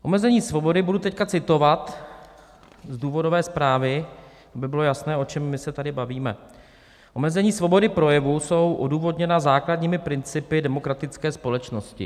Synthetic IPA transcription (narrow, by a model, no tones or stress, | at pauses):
ʔo̞̰mɛzɛɲiːsvo̞bo̞dɪbudut̪ɛckat͡sɪt̪o̞vat̪ | zduːvo̞do̞vɛːspɾaːvɪ | abɪbɪlo̞jasnɛːot͡ʃɛmːɪsɛt̪adɪbaviːmɛ | ʔo̞mɛzɛɲiːsvo̞bo̞dɪpɾo̞jɛvuso̞wʔoduːvo̞dɲɛnazaːkladɲiːmɪpɾɪnt͡sɪpɪdɛmo̞kɾat̪ɪt͡skɛːspo̞lɛt͡ʃno̞scɪ̰